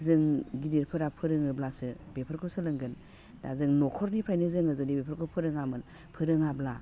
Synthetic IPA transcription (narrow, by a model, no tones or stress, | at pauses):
zɯŋɡidiɾpʰɯɾapʰɯɾɯŋɯblasɯbepʰɯɾkʰɔsɯlɯŋɡɯn | da̰zɯŋnɔkʰɔɾnipʰajnɯzɯŋɯzɯnibepʰɔɾkʰɔpʰɯɾɯŋamɯn | pʰɯɾɯŋabla